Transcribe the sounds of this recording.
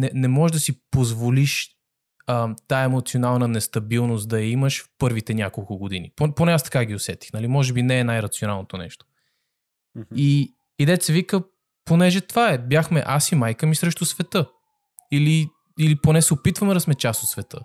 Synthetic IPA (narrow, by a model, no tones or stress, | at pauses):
nɛnɛmɔɛʒd̪ɐsipozvoliʃ | ət̪aɛmot̪sionalˠnənɛst̪ɐbilˠnost̪d̪ɐjɐiməʃfpɤɾvit̪ɛnʲakolˠkʊɡod̪ḭnḭpoponɛast̪ɐ̥kaɡʲiosɛt̪i̥xnɐlimɔʒɛbinɛːnajɾɐt̪sionalˠnot̪onɛ̰ʃt̪o̥ | i | id̪ɛt̪sɛvikə | ponɛʒɛt̪vaɛbjaxmɛʔasimajkəmisɾɛʃt̪osvɛt̪ɤ | ili | iliponɛsɛopit̪vəmɛd̪ɐsmɛt͡ʃasot̪svɛt̪ə̰